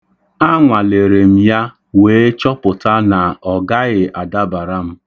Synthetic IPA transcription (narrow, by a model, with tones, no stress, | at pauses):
a˦ŋʷa˨le˨ɾe˨m̩˦ja˦ | weː˨˦t͡ʃɔ˦pʊ˨ta˦na˨ɔ˨ɡa˦ɣɪ˨ʔa˨da˦ba˨ɾa˦m̩˦